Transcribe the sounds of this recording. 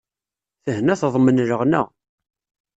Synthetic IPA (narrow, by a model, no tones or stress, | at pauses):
θəhnæθðˤmənɾəʁnæ̰